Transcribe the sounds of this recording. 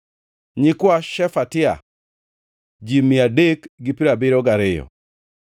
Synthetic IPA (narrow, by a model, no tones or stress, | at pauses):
ɲikwaʃɛfatɪa̰ | d͡ʒimiadekɡipiɾabɪɾɔɡaɾɪjɔ̰